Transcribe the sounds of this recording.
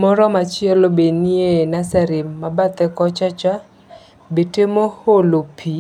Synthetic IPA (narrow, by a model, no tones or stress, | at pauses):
mɔɾɔmat͡ʃɪɛlobenienasaɾɪmːabat̪ɛkɔt͡ʃat͡ʃa | betemoholopʰi